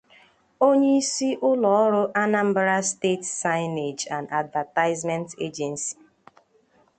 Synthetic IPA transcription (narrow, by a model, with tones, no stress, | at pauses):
o˦ɲe˦i˦si˦ʔʊ˦lɔ˨˦ɔ˦ɾʊ˦ʔa˦na˦m̩˦bɾa˦ste˦tsa˦ɪ˦ne˨d͡ʒa˨na˨dva˨ta˦ɪ˦zmɛ˦ntḛ˦d͡ʒɛ˨nsi̥˨